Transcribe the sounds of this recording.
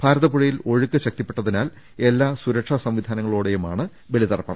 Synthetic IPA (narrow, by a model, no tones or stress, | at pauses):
b̥ʱaːɾɐðɐpuɻɐjilo̞ɻukːɨɕɐk̚t̪ipːeʈːɐðinaːl | e̞lːaːsuɾɐʈʂasɐmʋid̪ʱaːnɐŋːɐɭoːɽe̞jumaːɳɨ | ʋeɭiðɐrɐpːɐɳɐ